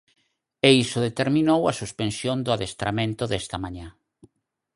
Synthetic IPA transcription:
eisoðet̪eɾmĩnowasuspensjond̪ʊaðest̪ɾamẽnt̪ʊðɛst̪amãɲa

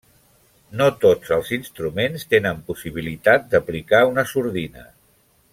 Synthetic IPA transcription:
not̪od͡zəlˠzinst̪ɾumenst̪enəmpusiβ̞ilit̪at̪̚d̪əplikaunəsuɾðinə̰

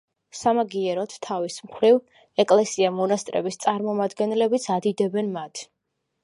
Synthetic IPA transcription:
samaɡiɛɾɔt̪ʰːavismχɾiv | ɛkʼlɛsiamɔnast̪ʼɾɛ̰bist̪sʼaɾmɔmad̪ɡɛnɛlɛbit̪sʰad̪id̪ɛbɛnmat̪ʰ

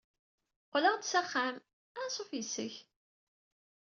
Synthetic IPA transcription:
qləʁd̪sæχːæm | ænsˤofjəsəç

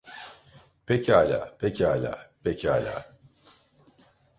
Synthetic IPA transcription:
pɛcʰaːlʲa̰ːpʰɛcʰaːlʲa̰ːpʰecʰaːlʲa̰ː

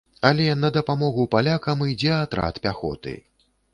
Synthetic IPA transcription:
ɐlʲɛnɐd̪ɐpamɔɣupalʲakɐmɨjd͡zʲɛat̪ɾa̰t̪pʲaxɔ̰t̪ɨ̰

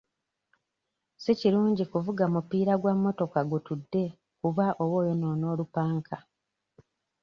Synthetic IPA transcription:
siciɾuːɲɟikuvuɡamupiːɾaɡwamːo̞to̞kaɡutudːe̞ | kuβaʔo̞wo̞ːjono̞ːno̞ːlupaːŋkʰa

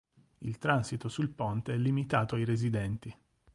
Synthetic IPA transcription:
ilt̪ɾansit̪osulpont̪eɛlːimit̪aːt̪oajɾezid̪ɛnt̪i

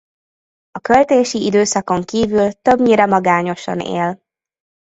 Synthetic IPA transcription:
ɒkølt̪eːʃiid̪øːsɒko̞ŋkiːvylt̪ø̞bɲiːɾɛmɒɡaːɲo̞ʃɒ̰nḛːl

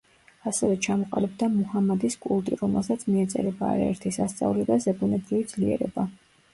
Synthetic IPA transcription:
asɛvɛt͡ʃʰamɔqʼa̰lɛbd̪amuhamad̪iskʼulˠt̪ʼiɾɔmɛlˠsat̪sʰmiɛt̪sʼɛ̰ɾɛbaːɾaɛɾt̪ʰisast̪sʼa̰vlɛd̪azɛbunɛbɾivid̪z̥liɛ̰ɾɛ̰ba

